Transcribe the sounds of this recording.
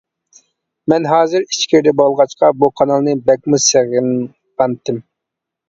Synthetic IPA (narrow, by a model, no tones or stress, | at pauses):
mɛnɦɑːzɪɾit͡ʃkʲʰiɾd̪ɛbɑlˠʁɑt͡ʃqɑbuqʰɑnɑlˠnɨbɛk̚ʲmuseʁn | ʁɑnt̪ʰɪm